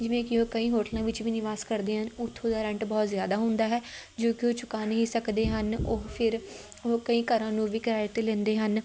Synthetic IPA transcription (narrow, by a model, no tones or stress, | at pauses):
d͡ʒɪʋẽːkɪoːkəĩːɦoːʈlãːʋɪt͡ʃʋiːnɪʋaːskəɾd̪eːɦənʊt̪ʰːõːd̪aːɾɛ̃ɳʈbɔːt̪zjaːd̪aːɦʊ̃nd̪aːɦɛːd͡ʒoːkɪoːt͡ʃʊkaːnɦiːsəkd̪eːɦənopʰɪɾ | oːkəĩːkəɾãːnũːʋiːkəɾaːjət̪eːlɛ̃ːnd̪eːɦən